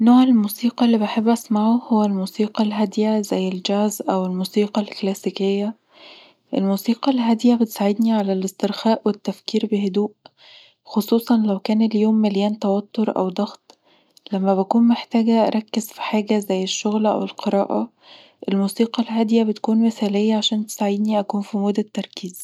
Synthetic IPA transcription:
noːʕelmuːsiːqɑlːiːbaħebːʔæsmaʕuhowːælmuːsiːqɑlɦæd̪jæzæjːeld͡ʒæːzʔæwelmuːsiːqɑlklæsikejːæ | ʔḛlmuːsiːqɑlɦæd̪jæbet̪saʕed̪niʕalælest̪eɾxæːʔwet̪ːæfkiːɾbeɦed̪uːʔ | xosˤuːsˤɑnlæwkæːneljoːmːæljæːnt̪ɑwɑt̪ːoɾˤʔæ̰wd̪ˤɑɣt̪ | læmːæbækuːnmeħt̪æːɡæʔæ̰ɾˤɑkːezfi̥ħaːɡæzæjːeʃːoɣlʔæ̰welqeɾˤɑ̰ːʔɑ | ʔelmuːsiːqɑlɦæd̪jæbet̪kuːnmesæːlejːæʕaʃæːnt̪e̥saʕed̪niʔækuːnfimod̪ːæt̪ːɑɾˤkiːz

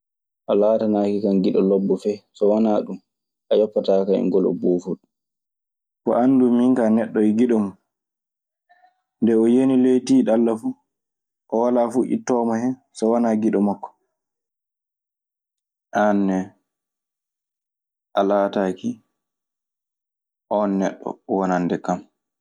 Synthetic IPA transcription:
ʔalaːtanaːkikanɡiɗɔlɔbːɔfɛsɔwanaːɗum | ʔajɔpːataːkaɛ̰ŋɡɔlɔ̰boːfuɗu | kɔ̰ʔanːdumːiŋkanɛɗːɔiɡiɗɔmu | ndɛɔjenilejtiɗalːafu | ʔɔwalafuʔḭtːɔːmahɛn | sɔwanaɡiɗɔmakːɔ̥ | ʔanːɛ | ʔalaːtaki | ʔɔnːɛɗːɔ̰wanandɛkam

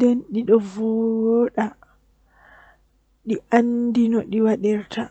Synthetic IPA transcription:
dɛnɗiɗɔvɔwɔɗa | ɗiʔandinɔɗiwaɗɛɾtʰa

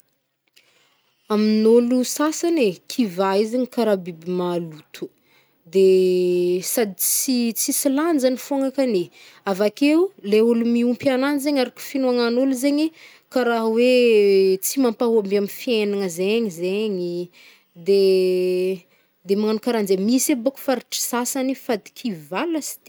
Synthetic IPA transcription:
aminolusasanekʰivaizeɲikaɾabibimalut̪ʰu̥ | d̪e | sad̪it͡sit͡sisiland͡ʒanifoŋakane | avakeleulumiumpiananzeɲaɾakʲu̥finuaŋanoluzeɲi | kaɾaɦwe | t͡simampaɦambamifienaŋəzeɲizeɲi | d̪e | d̪emaŋanukaɾanzemiseboku̥faɾiʈ͡ʂi̥sasanifad̪i̥kʰivalasi̥d̪̥e

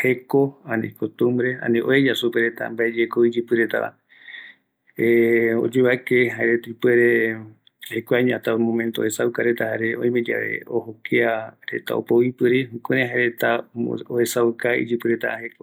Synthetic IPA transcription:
hekoanḭ̃kot̪ũmbɾeã̰nĩʔoed͡ʒasupeɾet̪a̰mbaʔed͡ʒekoid͡ʒɨpɨɾet̪a̰ʔa̰ | eo̰d͡ʒeβaekeɦaeɾet̪aipeɾe | hekoaɲat̪amõmẽnt̪oo̰hesawkaɾet̪ahaɾe̞õij̃med͡ʒa̰βḛohokeaɾe̞̰t̪a̰o̰powipɨɾihũkeɾeɦaeɾet̪aohe̞saukaḭd͡ʒɨpɨɾet̪a̰aheko

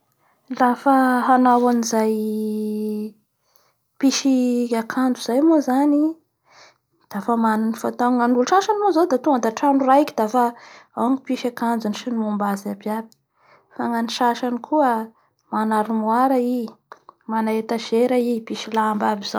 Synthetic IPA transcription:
lafaɦanawanizaj | piʃiakʰand͡zuzajmozani | d̪̥afamanunifat̪aŋanuluʃaʃanimozawd̪at̪uand̪aʈ͡ʂanuraikid̪afaaŋipiʃakand͡zuniʃinimumbazabiabi̥ | faŋaniʃaʃanikʰuə | manaɾimwaɾai | manaet̪aʒeɾaipiʃilambabiz̥a

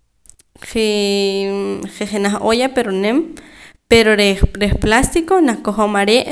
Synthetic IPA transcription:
χe | χeχenaχojapeɾonempeɾoɾeɾeχplast̪ikonaχkoχomaɾeʔ

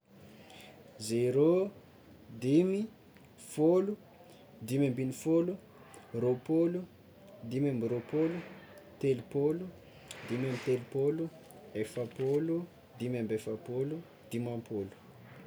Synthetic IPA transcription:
zeɾo | d̪imi | folu | d̪imambinifolu | ropolu | d̪imamiɾopolut̪elupolu | d̪imamit̪elupolu | efapolu | d̪imambefapolu | d̪̥imampolu̥

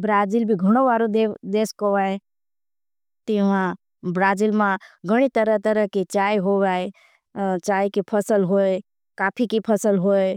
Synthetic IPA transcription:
bɾaːd͡ʒilbʱiɡʱəɽ̃õʋaːɾod̪ed̪eːskoʋae | t̪iʋã | bɾaːd͡ʒilmãɡʱəɽ̃it̪əɾət̪əɾəɦket͡ʃaːɦoʋae | t͡ʃaːikipʰəsəlɦoːe | kaːpʰikipʰəsəlɦoe

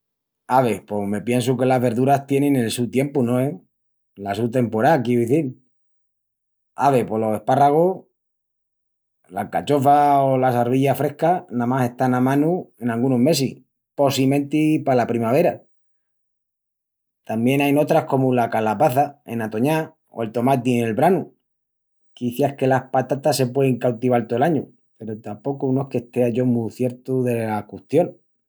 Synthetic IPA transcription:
aβ̞e̞po̞me̞pje̞ns̬uke̞laɦβe̞ɾðuɾast̪je̞nẽnelsut̪je̞mpunõe | lasut̪e̞mpo̞ɾakjeuðiθil | aβe̞po̞lo̞se̞hparaɣ̞oh | la̰kat͡ʃo̞faolasaɾβ̞iʎafɾe̞hkanãmase̞ht̪anamãnue̞nalɣunoɦme̞sih | po̞simẽ̞nt̪ipalapɾimaβ̞e̞ɾa | t̪ambje̞najno̞t̪ɾahko̞mulakalapaθae̞̰nat̪o̞ɲa | o̰e̞lt̪o̞mat̪̬iene̞lβɾanu | kiθjahke̞lahpat̪at̪ase̞pwe̞ðeŋkawt̪iβalt̪oelaɲu | pe̞ɾot̪ampo̞kunoe̞hke̞st̪e̞aʝo̞muθje̞ɾt̪uðe̞lakuht̪jo̞n

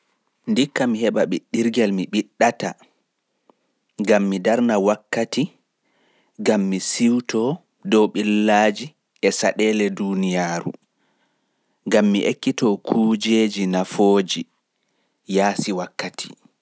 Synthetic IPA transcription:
ndikːamihɛɓaɓiɗːiɾɡɛlmiɓiɗːata | ɡamːidaɾnawakːati | ɡamːisiwtʰɔ | dɔwɓilːaːd͡ʒi | ɛsaɗɛːlɛdunijaːɾṵ | ŋɡamːiʔekːitɔkʰud͡ʒeːd͡ʒinafoːd͡ʒi | jaːsiwakːatʰi̥

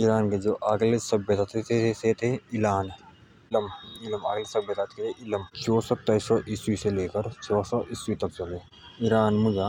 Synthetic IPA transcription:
ɪɾaːnked͡ʒoːʔaɡlesɐbjət̪at̪ʰet̪ʰeset̪ʰeɪlaːn | ləmɪlma̰ːɡlesɐbjət̪at̪ʰet̪ʰeʔɪləmt͡ʃʰoːsɔt̪ːsɔʔɪswiseleːkəɾt͡ʃʰɔːsɔʔɪswit̪ɐk̚t͡ʃɐleː | ɪɾaːnmʊd͡ʒa

